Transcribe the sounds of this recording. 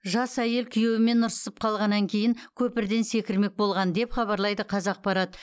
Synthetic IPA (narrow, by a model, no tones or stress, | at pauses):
ʒɑsæje̞lkʲʰʏjewɪme̞nːʊɾsə̥səp̚qʰɑlˠʁɑnːɑŋkʲʰe̞jɪŋkʲʰɵpɪɾd̪e̞nse̞kʲɪɾme̞k̚bo̞lˠʁɑnd̪e̞pχɑbɑɾlˠɑjd̪əqʰɑzɑq̚pɑɾɑt̪